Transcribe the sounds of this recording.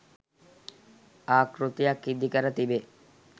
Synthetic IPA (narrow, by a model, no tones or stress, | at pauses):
aːkɾut̪ijakːid̪ʱːikəɾət̪ibe